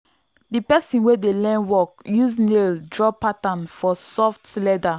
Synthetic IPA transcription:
dipɛsĩnwedelɛ̃nwɔkjuzneldɹɔpatãnfɔsɔftlɛda

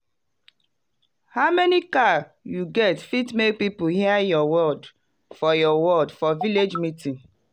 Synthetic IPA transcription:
haʊmɛnikajuɡɛtfitmek̚pipuhiajɔwɔld | fɔjɔwɔldfɔviled͡ʒmitĩn

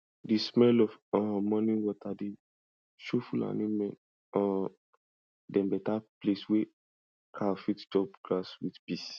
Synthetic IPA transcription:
dismɛlɔfɔ̃mɔ̃nĩwɔtʰade | ʃofula̰nĩmɛ̃n | ɔ̃ | dɛ̃mbɛtapleswe | kʰafitd͡ʒɔpɡ̥laswitpis

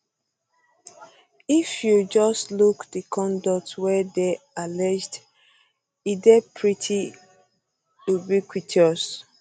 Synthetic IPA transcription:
ifjud͡ʒɔstlukdəkʰɔ̃ndɔk̚twɛde | alɛd͡ʒd | idɛpʰɹitʰi | ubikwitɔs

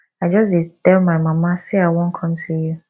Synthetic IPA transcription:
ad͡ʒɔs̬itɛlmaɪmãmãseawɔ̃n̩kʰɔ̃mtʰuju

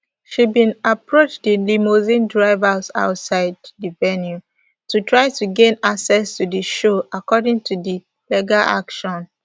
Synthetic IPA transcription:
ʃibĩnapɹot͡ʃdilimozĩndɹaɪvaza̰ʊtsaɪddivɛnju | tutʰɹaɪtuɡẽnaksɛstudiʃoʔakɔdĩŋtʰudi | lɛɡaʔa̰kʃɔ̃n

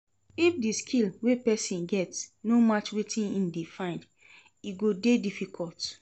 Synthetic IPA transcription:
ifdiskʰilwepɛsĩnɡɛtsnomat͡ʃwetʰĩnĩndefãɪ̃nd | iɡodedifikʰɔlt

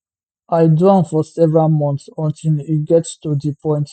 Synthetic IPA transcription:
aɪduãnfɔsɛvɹalmɔ̃ntsɔ̃ntʰiliɡɛtstudipʰɔ̃ɪ̃nt

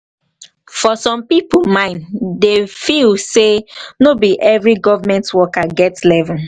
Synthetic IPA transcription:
fɔsɔ̃mpipolmãɪ̃ndefilsenobiʔɛvɹiɡɔvamɛ̃ntwɔkaɡɛtslɛvɔ̃n

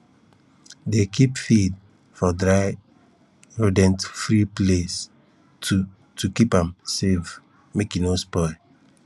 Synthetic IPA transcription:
dekʰipfid̚ | fɔdɹaɪ | ɹudɛ̃ntfɹiples | tu | tukipãmsev | mekinospɔɪ

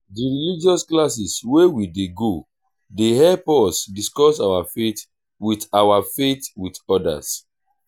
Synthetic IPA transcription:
diɹilid͡ʒɔsklas̬iswewideɡo | dehɛpɔsdiskɔsawafet | witawafetwitɔda̰s

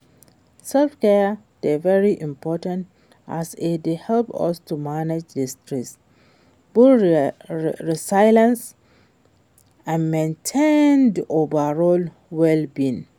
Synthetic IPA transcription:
sɛlfkɛ | devɛɹiʔĩmpʰɔtãnt | ʔa̰sɪdehɛlpɔ̰stumaned͡ʒdistɹɛs | b̥ul | ɹisajlãns | ãnmẽntʰẽndiʔovəɹɔl | wɛlbĩn

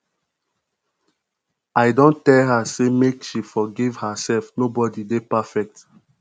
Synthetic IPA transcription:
aɪdõntɛlɦasemekʃifɔɡivhəsɛlfnobɔdidepafɛk̚t

